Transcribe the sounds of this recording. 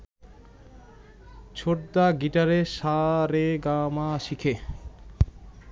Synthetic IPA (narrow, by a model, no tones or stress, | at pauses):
t͡ɕʰoʈd̪aɡiʈaɾeʃaɾeɡamaʃikʰe